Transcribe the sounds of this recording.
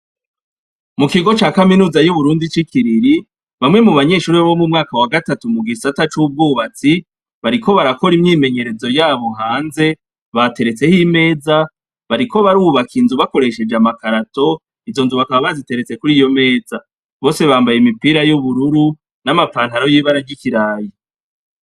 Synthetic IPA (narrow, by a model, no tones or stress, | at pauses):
mukiɡo̞t͡ʃaːkaminuːzajuβuɾuːndit͡ʃikiɾiɾi | βamŋe̞muβaɲe̞ʃuːɾiaβo̞mumŋaːkawaɡatatumuɡisatat͡ʃuːb̚ɡuːβat͡si | βaɾikʰo̞βaɾako̞ɾimɲiːme̞ɲe̞ɾe̞zo̞jaːβo̞ŋɦaːnze̞ | βate̞ɾe̞t͡se̞hime̞ːza | βaɾiko̞βaɾuːβakʰinzuβako̞ɾe̞ʃe̞d͡ʒamakaɾato̞ | izo̞nzuβakaβaβazite̞ɾet͡se̞kuɾiːjo̞me̞ːza | βo̞ːse̞βaːmbajemipiːɾajuβuɾuɾu | namafaːnhaɾo̞jiːβaɾaɾɟikiɾaːji